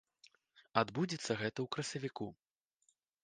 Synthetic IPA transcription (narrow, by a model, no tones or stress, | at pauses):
ad̪bud͡zʲit̪sːɐɣɛt̪ɐwkɾɐsʲɐvʲiku